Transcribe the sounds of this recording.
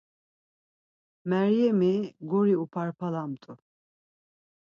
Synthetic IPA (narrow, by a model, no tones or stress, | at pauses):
mɛɾjɛmiɡɔɾiupʰaɾpʰalamt̪ʼu